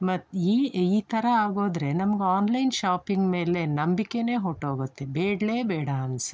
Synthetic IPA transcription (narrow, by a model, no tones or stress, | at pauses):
mɐt̪ːiːiːt̪ɐɾɐaːɡo̞ːd̪ɾe̞nɐmɐɡeaːnlɐjnʃaːpiŋɡme̞ːle̞nɐmbikːe̞ne̞ːɦoʈoːɡut̪ːebeːɽleːbɛːɽɐɐns